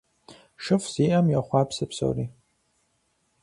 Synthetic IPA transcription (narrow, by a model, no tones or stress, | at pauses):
ʂɨfz̥iʔamjaχʷaːpʰsɨpʰso̰wri